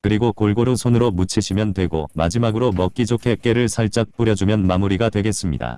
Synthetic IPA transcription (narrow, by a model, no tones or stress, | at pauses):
kɯɾiɡokoɭɡoɾɯŋsʰonɯɾomut͡ɕʰiɕʰimjʌntwe̞ɡo̰ma̰d͡ʑimaɡɯɾomʌk̚k͈id͡ʑokʰe̞k͈e̞ɾɯɭsʰaɭt͡ɕ͈ak̚p͈uɾjʌd͡ʑumjʌnmamuɾiɡadwe̞ɡe̞s͈ɯmɲḭda̰